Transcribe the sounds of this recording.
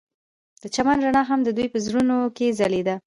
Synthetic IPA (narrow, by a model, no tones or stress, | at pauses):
d̪̥ət͡ʃamanɾaɳɑɦamd̪əd̪ujpəzɾunokezaled̪a